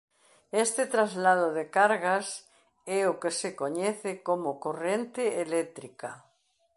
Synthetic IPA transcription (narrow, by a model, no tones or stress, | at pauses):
est̪et̪ɾazlaðoðekaɾɣas | ɛokesekoɲeθekomokorent̪eelet̪ɾika